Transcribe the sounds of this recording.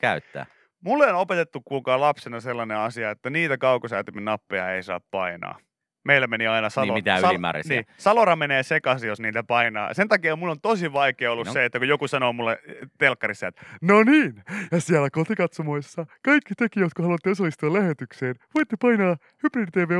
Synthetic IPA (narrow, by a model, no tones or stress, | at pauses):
kæyt̪ːæ̰ː | mulːeonopet̪et̪ːukkuːkɑːlɑpsenɑselːɑneɑsiɑet̪ːæniːt̪ækɑukosɑt̪yminɑpːeɑ̰eisɑ̰ːppɑinɑ̰ː | meilːæmeniɑinɑsɑlomit̪æːimæ̰ːrḭsniːsɑloɾɑmeneːsekɑsijosniːt̪æpɑinɑ̰ːsent̪ɑkiɑmulːont̪osiʋɑikeːolːuseet̪ːækujokusɑnoːmulːet̪elkːɑɾisːɑet̪noniːnjɑsiælækot̪ikɑt̪somoisːɑkɑikːit̪ekijot̪kohɑluɑt̪ːeesɑlːist̪uɑlæhet̪ykseːnʋoit̪ːepɑinɑː | hypridt̪eːʋeː